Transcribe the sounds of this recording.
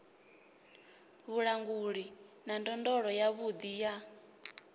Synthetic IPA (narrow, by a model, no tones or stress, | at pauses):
βuɺaŋɡuɺinandɔndɔɺɔjaβud̪ija